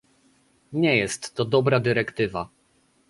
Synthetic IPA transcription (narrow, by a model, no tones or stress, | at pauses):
ɲɛjɛst̪ːɔd̪ɔbɾad̪ɘɾɛkt̪ɘva